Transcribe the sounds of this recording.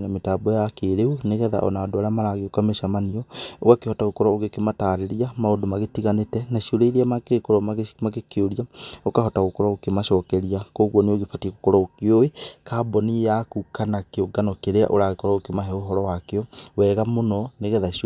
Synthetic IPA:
nametaːbɔjakeɾeuneɣɛða̰ʔɔ̰naadoaɾamaɾaɣeokameʃamaniɔokakehɔtaɣokɔɾɔoɣekemataɾeɾiamaodomaɣetiɣanetɛnaʃioɾeiɾeamakekoɾɔmaɣekeoɾiaokaɦɔtaɣokɔɾɔokemaʃɔːkɛɾiakoːɣwɔneoɣefatieɣokɔɾɔokeowekaːbɔniejakukanakeoɡanɔkeɾea̰ʔoɾaɣekɔɾɔokemaɦɛoɦɔɾɔwakeɔwɛɣamonɔneɣɛða

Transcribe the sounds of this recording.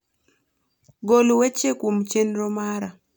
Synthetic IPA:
ɡolwet͡ʃekwomt͡ʃenɾɔmaɾa

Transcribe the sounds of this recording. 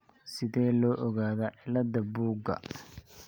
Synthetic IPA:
sɪðɛːlɔːʔɔɣaːðɐʕɪlɐd̪ɐbuːɡɐ̰

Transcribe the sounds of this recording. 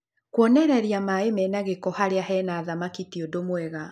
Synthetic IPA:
kwɔnɛɾɛɾiamaemɛnaɣekɔhaɾeaɦɛnaːðamakitiodomwɛɣa

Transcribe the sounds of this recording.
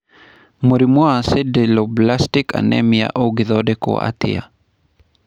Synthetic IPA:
muɾimuasedeloblastika̰nɛ̰mija̰ʔoɡiðɔdeko̰a̰t̪ḭa̰

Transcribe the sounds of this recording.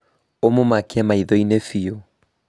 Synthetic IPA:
omomakeɛmaiðoinefio

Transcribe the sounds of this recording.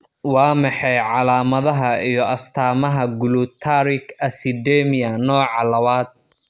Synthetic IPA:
wɑːmɑħɑjʕɑlaːmɐðɐɦɐijɔɐst̪ʰaːmɐɦɐɡʊlut̪ʰaɾɪkʰɐsɪd̪ɛmɪɐnɔːʕɑlɐβaːd̪̚

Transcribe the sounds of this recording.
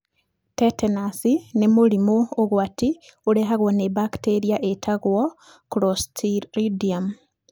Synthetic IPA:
tetenasinemuɾimoːɣwatiuɾeɦaɣwonebakteɾiaʔetʰaɣwo | kɾostʰiɾidiam

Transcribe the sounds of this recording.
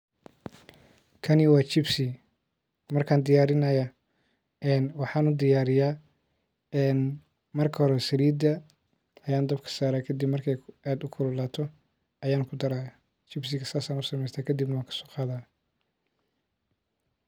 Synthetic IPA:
kʰɐnɪwɑːt͡ʃɪbsɪ | mɐrkʰaːnd̪ɪjaːɾɪnɐjɐ | ɛːnwɑħɑːnʊd̪ɪjaːɾɪjaː | ɛːn | mɐrkʰɐhɔɾɛsɐɾiːd̪ɐ | ɐjaːnd̪ɐbkʰɐ̥saːɾaːkʰɐd̪ibmɐrkʰɛjʔaːd̪ʊkʰʊlɐlaːt̪ʰɔ | ɐjaːnkʰʊd̪ɐɾaː | t͡ʃɪbsɪɣɐsaːsaːnʊsɐmɛjst̪ʰaːkʰɐd̪ibnɐwaːŋkʰɐ̥sɔ̥ːqɑːðaː

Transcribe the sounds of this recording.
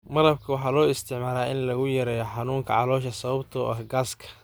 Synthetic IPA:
mɐɾɐbkʰɐwɑħɑːlɔːɪst̪ʰɪʕmaːɾaːɪnlɐɣʊjɐɾɛːjɔħɑnuːŋkʰɐ̰ʕɑlɔːʃɐsɐβɐbt̪ʰɔʔɐhɡaːskʰɐ̥

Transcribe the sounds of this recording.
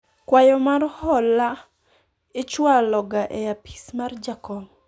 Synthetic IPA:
kwajɔmarhɔla | ɪt͡ʃwalɔɡaʔɛjapi̥smard͡ʒakɔm

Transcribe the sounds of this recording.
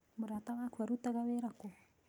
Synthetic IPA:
muɾat̪aŋakʰaɾut̪aɡaweɾako

